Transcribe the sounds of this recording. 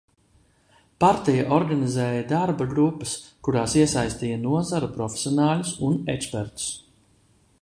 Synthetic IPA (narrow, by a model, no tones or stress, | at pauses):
paɾt̪ɛjaʔɔɾɡanizɛːjɐd̪aɾbaɡɾupːɐskuɾaːsiɛsajst̪iːjɐnuɔzaɾupɾɔfʲe̥sʲjɔnaːlʲusunɛkspɛɾt̪u̥s